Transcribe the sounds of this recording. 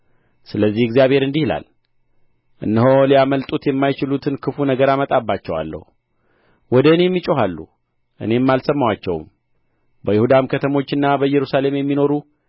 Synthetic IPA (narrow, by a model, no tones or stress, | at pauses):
sɨləzːihɪɡzijaβhe̞ɾɨnd̪ihla̰l | ʔɨ̰nːɨɦoliaməlt̪ʼut̪jɛmːajt͡ʃɪlut̪ʰɨnkʰɨfunəɡəɾamət̪ʼabːat͡ʃːɛwa̰lːə̰hu | wɔd̪əɨneɛmːit͡ʃʼoɦalːṵ | ʔɨ̰ne̞mːalsəmːawat͡ʃːɛ̰w̰m | bəjɪhud̪amkʰət̪ʰəmo̞t͡ʃːɨnːabəɨjːɛɾusale̞mjɛmːino̞ɾu